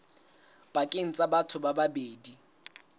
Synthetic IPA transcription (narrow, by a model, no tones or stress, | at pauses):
b̥akʼɪn̩t͡sʼabatʰʊbababeːdi